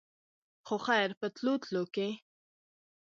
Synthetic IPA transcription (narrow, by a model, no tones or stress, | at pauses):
xoxajɾpət̪lut̪loke